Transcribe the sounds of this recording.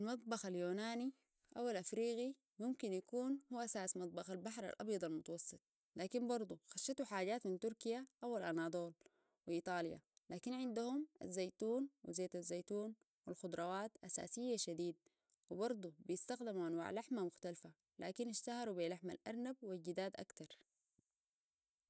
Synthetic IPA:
ʔʔalmɑt̪̚ˤbɑxaljoːnaːni | ʔawalʔafɾiːɣi | mumkinjakuːnhuwaʔasaːsmɑt̪̚ˤbɑxalbaħɾˤa̰lʔɑ̰bjɑd̪ˤɑlmʊt̪ɑwɑsˤːɨt̪̚ˤ | laːkinbɑɾˤd̪ˤuxaʃːɑt̪uħaːɟaːt̪mint̪uɾkijaʔawalʔanaːd̪ˤoːl | wiʔiːt̪ˤɑːlja̰laːkinʕɪnd̪uhumʔa̰zːajt̪uːnwḭzeːt̪azːajt̪uːn | wilxʊd̪ˤɾˤɑwaːt̪ʔasa̰ːsijːaʃad̪iːd̪̚ | wibɑɾˤd̪ˤubijɪst̪axd̪imuʔanwa̰ːʕlaħmamʊxt̪alfa | lʔa̰ːkinɪʃt̪ahɑɾubilaħma̰lʔaɾˤnabwilɟid̪aːd̪ʔa̰kt̪ɑɾˤ

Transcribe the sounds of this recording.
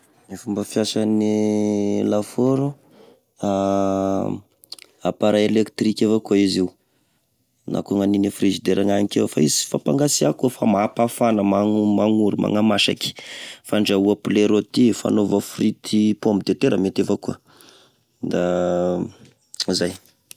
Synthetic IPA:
ifumbəfjasani | lafoɾu | a | apaɾaelekt̪rikʲevakuaiziu | nʔa̰kuaŋaninifrizid̪eɾaŋanikewfa̰izi̥fapaŋɡasiakufamaapafanəmaumaŋuɾimʔa̰ŋamaʃa̰ki̥faɳɖ͡ʐauapleɾot̪ifa̰novafrit̪ʰipombid̪et̪eɾəmet̪evakuə | d̪a | zaj

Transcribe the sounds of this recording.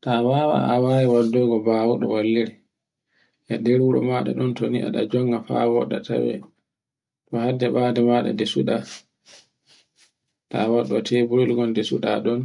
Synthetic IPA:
tawawa̰awaːjiwadːɔɡɔbaːwuɗɔ̰walːiɾɛ | ʔadɛɾwuɾɔ̰maɗa̰ɗɔntoniʔa̰ɗa̰d͡ʒɔŋɡafa̰wɔɗatʰa̰wɛ̰ | tɔhadːɛɓaːdɛmaɗa̰desuɗa | tawaɗuatʰɛbuɾilɡɔndesuɗaɗɔn

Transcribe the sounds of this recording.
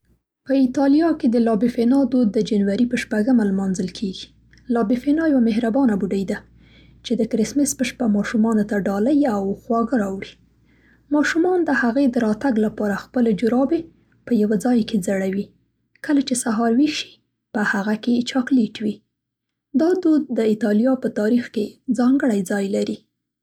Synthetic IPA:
pəit̪ɑlijɑked̪əlɑbifenɑd̪od̪ːəd͡ʒanwaɾipəʃpaɡəmalmɑnzəlkʰeɡi̥ | lɑbifenɑjawameɦɾabɑnabuɖəjd̪a | t͡ʃed̪əkɾɪsmɪspəʃpamɑʃumɑnot̪aɖɑlajawxwɑɡəɾɑwɽi | mɑʃumɑnd̪əhaɣed̪əɾɑt̪aɡlapɑɾaxpəled͡ʒʊɾɑbe | pəjawad͡zɑjked͡zaɽawi | kəlat͡ʃesaɦɑɾwiʃi̥ | pəhaɣaket͡ʃɑkleʈwi | d̪ɑd̪ud̪ːəit̪ɑlijɑpət̪ɑɾixked͡zɑŋɡəɽajd͡zɑjlaɾi

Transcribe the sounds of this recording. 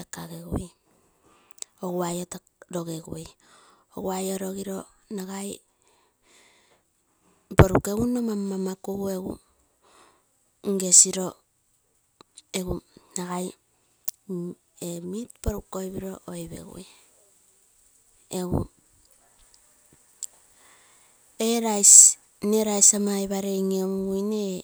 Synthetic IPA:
akaɡeɡṵj | oɡuajota | ɾo̞ɡeɡṵj | o̰ɡuajoɾo̞ɡiɾo̞ | naɡaj | boɾukeunomamamakuɡue̞ɡṵ | ŋɡe̞siɾo̞ | eɡunaɡaj | emitboɾukojβiɾo̞ʔojβḛɡṵj | eɡṵ | eɾajs | neɾajsamajβaɾejŋomujne

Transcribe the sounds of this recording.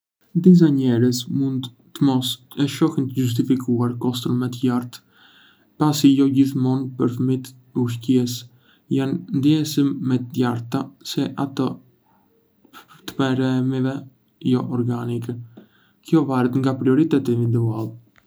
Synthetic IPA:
d̪is̬aɲɛɾəsmund̪ | t̪əmɔsɛʃɔhənt̪əjus̬t̪ifikuaɾkɔst̪ɾənmɛt̪əjaɾt̪ | pasijɔɟiθmɔnpəɾθəmit̪ | uʃ̬cɛs | jannd̪iɛsimːɛt̪əjaɾt̪asɛʔat̪ə | t̪əmɛɾɛmivɛ | jɔʔɔɾɡanikɛ | kjɔvaɾət̪ŋɡapɾiɔɾit̪ɛt̪ivind̪ualˠ

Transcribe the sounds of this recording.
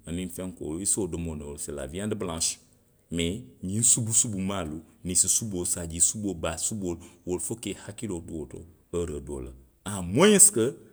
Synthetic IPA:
aninfɛ̃ŋko̰lisodəmonoolsəla̰viãdəblãʃ | mɛɲĩsubusubumalunisisubosad͡ʒisubobasubolwolfokehakiloduoto̰ | əɾədo̰lə̰ | amojĩskə

